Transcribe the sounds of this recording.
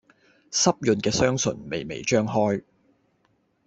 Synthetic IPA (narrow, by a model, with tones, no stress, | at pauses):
sɐ˥p̚jɵ˨˧nkɛː˧sœː˥ŋsɵ̰˨˩nmḛ˨jmḛ˨jt͡ʃœː˥ŋɦɔː˥j